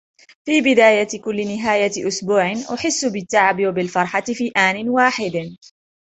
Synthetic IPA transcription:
fiːbɪd̪aːjat̪kʊlːɪnɪɦaːjaʔʊsbuːʕɪnʔʊħɪsːʊbɪt̪ːaʕabɪwabɪlfɑɾˤħat̪ɪfiːʔaːnɪnwaːħɪd̪

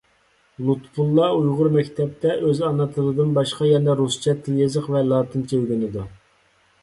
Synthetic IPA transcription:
lˠut̪pʰulˠːɑujʁʊɾmɛkʲt̪ʰɛp̚t̪ʰɛʔøzɑnɑt̪ʰɨɾɨd̪ɨnbɑʃqɑjɛnɛɾust͡ʃʰɛt̪ʰɪjezəqvɛlˠɑːt̪ʰɨnt͡ʃʰewɡʲynɨd̪u

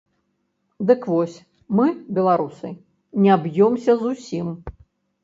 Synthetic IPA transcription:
d̪ɨkvɔsʲ | mɨbʲɛlˠaɾusɨ̰ | nʲɛbjɔmsʲɐzusʲim

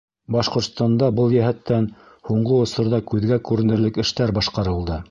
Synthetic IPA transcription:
bɑʃqŏɾt̪st̪ɑnd̪ɑbɤlˠjæɦæt̪ːæn | huɴɢɤŏsŏɾðɑkʉðɡækʉɾɘ̆nɘ̆ɾlɘkɘ̆ʃt̪æɾbɑʃqɑɾɤ̆lˠd̪ɤ

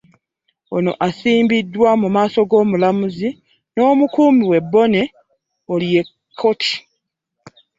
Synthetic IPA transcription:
o̞̰no̞̰ʔasiːmbidːwamumaːso̞ɡo̞ːmulamuzi | no̞ːmukuːmiwe̞bːo̞ne̞ | olje̞ | kʰːo̞tʰi̥

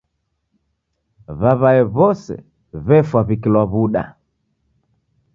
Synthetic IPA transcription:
βaβaɛβɔsɛ̰ | βɛfwaβikilwaβuɗa̰

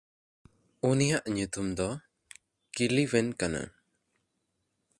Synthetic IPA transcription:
unijaʔɲut̪umd̪ɔ | kiliwɛnkana̰

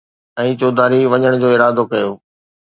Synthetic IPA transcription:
ɛ̃ːt͡ɕoːd̪aːɾiʋɐɲəɽ̃d͡ʑoːɪɾaːd̪okɐjoː

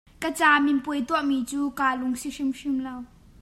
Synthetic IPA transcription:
kət͡saːminpujt̪uəʔmiːt͡suːkaːlʊŋsiʂimʂimlɐw

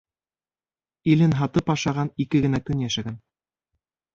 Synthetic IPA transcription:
ilɘnɦɑt̪ɤpɑʃɑʁɑnikɘɡɘ̆nækɵnjæʃæɡæn

